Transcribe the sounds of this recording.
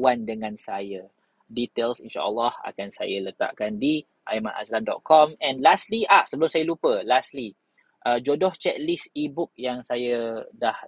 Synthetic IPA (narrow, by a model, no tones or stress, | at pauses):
wandəŋãnsajə | dit̪elsinʃa̰ʔəlːaha̰kansa̰jələt̪a̰ʔkandi | ʔa̰ima̰na̰slamdɔ̰t̪̚kʰɔmɛ̃nlast̪liʔaʔsəbəlʊmsajəlupəlasli | ʔəd͡ʒodɔht͡ʃɛt̪̚lisibʊk̚jaŋsajədah